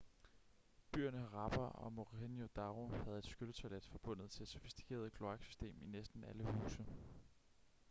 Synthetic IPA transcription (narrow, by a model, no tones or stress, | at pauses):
b̥y̰ːɐnəʁɑ̈b̥ɐɒ̽moʁenjo̝d̥ɑ̈ʁo̝hæð̞̩ˠe̝d̥sɡ̥ølət͡sʰæled̥fɒ̽b̥ɔ̽n̰ð̩ˠt͡sʰe̝ed̥sofi̥sd̥i̥kʰe̝̰ːɐð̞̩ˠkʰlo̝ɑ̈ɡ̥sy̥sd̥e̝̰ːminesd̥n̩æləhṵːsə